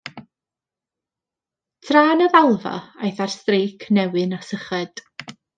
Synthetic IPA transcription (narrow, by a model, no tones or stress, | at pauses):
tʰraːnəðalˠva̰ajθarstrejkʰnɛwɨnasəχɛd̥